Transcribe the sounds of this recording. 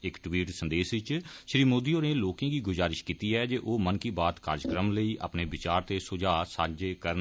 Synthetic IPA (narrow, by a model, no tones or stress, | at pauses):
ɪkʈwiːʈsə̃nd̪eːsʋɪt͡ʃʃɾiːmoːd̪iːoːneːloːkãːɡiːɡʊzaːɾɪʃkiːt̪iːɛːd͡ʒeːʔoːmənkiːbaːt̪ka̰ːɾd͡ʒkɾəmləiːʔa̰pneːbɪt͡ʃaːɾt̪eːsʊd͡ʒaːsaːd͡ʒeːkəɾ